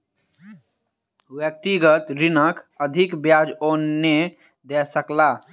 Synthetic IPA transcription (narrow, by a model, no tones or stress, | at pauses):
wjək̚t̪iɡət̪ɾinəkəd̪ʱikbjad͡ʒonːe | d̪esəkla